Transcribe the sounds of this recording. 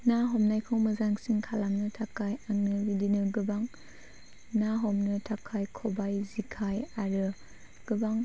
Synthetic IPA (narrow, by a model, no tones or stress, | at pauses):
naɦɔmnajkʰɔŋmɯzaŋsiŋkʰalamnɯtʰakʰːajaŋnɯbidinɯɡɯbaŋ | naɦɔmnɯtʰakʰːajkʰɔbajzikʰajaɾɯ | ɡ̥ɯbaŋ